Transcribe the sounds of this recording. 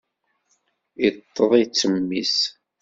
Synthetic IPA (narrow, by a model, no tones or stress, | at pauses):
it̪ˤʰːəðˤit͡sːəmːis